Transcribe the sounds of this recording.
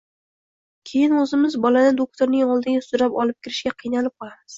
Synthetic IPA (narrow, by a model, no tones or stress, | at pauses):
kʲʰe̞jɪnɵzɪmɪzbɒlanɪd̪ok̚t̪ʰoɾnɪŋɒlˠd̪ɪɡʲasʊɾapɒlˠɪp̚kʲɪɾɪʃkʲaqʰɨjnalɪp̚qʰɒlˠamɪz̥